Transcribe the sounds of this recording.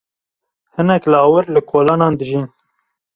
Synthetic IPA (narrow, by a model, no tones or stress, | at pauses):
hɨnɛklɑːwɨɾlɨkʰoːlɑːnɑːnd̪ɨʒin